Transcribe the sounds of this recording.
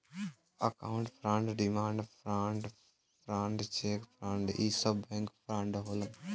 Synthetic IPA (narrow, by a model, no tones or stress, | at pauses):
əkaːʊ̃ɳʈpʰɾãɳɖɖimaːɳɖpʰɾãːɳɖ | pʰɾãːɳɖt͡ʃeːkpʰɾãɳɖisəbɛ̃ŋkpʰɾãɳɖɦoːlən